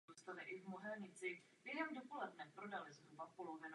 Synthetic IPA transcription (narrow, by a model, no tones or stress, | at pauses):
ust̪alɪʔɪvmoɦɛlɲɪt͡sɪ | b̥jɛɦɛmdo̞po̞lɛdnɛpɾo̞dalɪzɾubapolovɛn